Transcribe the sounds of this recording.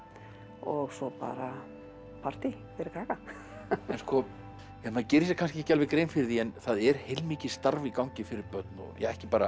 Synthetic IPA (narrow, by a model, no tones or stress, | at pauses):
ɔɣsɔpa̰ːɾa | pʰar̥t̪ɪfɛɾɪkʰaːka | ɛnskɔ | jamacɛːɾɪsjɛkʰanscɪcalvɪkɾeːjnfɪɾðiɛnθaðɛɾ̥hejlmɪːcɪst̪aɾvikawɲcɪfɪɾɪɾpœt̪nɔ̰jɛ̰ɣɛhcɪpaːɾa